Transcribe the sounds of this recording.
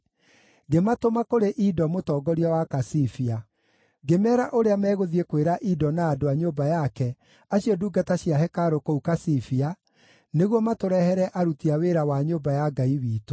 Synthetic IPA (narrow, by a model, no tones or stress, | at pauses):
ɡematomakoɾeʔidɔmotɔːɡɔɾiɔwakasifia | ɡemɛːɾaʔoɾeamɛːɣoðiekweɾaʔidɔnaːdoaɲoːbajakɛ | aɕiɔduːɡataɕjaɦɛkaɾokoukasifia | neɣwɔmatoɾɛhɛɾɛʔaɾutiaweɾawaɲoːbajaɡaiwiːto